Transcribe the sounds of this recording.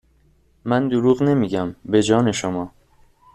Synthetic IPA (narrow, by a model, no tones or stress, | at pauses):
mænd̪oɾuːɣne̞miːɟæmbe̞d͡ʒɒːne̞ʃomɒː